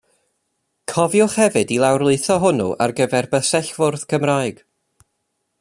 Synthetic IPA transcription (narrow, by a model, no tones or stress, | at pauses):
kʰɔvjʊχhɛvɨdilˠawrlˠɨɨθɔɦʊnṵʔa̰rɡəvɛrbəsɛɬv̥ʊrð̥kʰəmraːɨɡ̥